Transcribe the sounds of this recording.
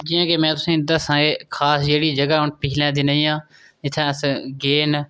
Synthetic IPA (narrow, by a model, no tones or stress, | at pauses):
d͡ʒɪːãːkeːmɛ̃ːt̪ʊsĩːd̪əsãːeːkʰaːsd͡ʒeːɽiːd͡ʒəɡaːʊnpɪlɛ̃ːd̪inaĩːãː | ɪt̪ʰːãːsɡeːn